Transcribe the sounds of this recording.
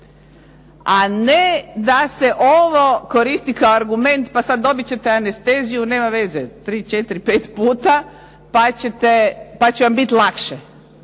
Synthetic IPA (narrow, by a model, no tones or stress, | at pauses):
aned̪ase̞ʔoʋo̞ko̞ɾist̪ikaoaɾɡume̞nt̪pasad̪ːo̞bit͡ɕe̞t̪eanest̪e̞zijune̞ːmaʋe̞zet̪ɾiːt͡ʃe̞t̪ɾipe̞ːt̪puːt̪a | pat͡ɕet̪epat͡ɕeʋambit̪lˠakʃe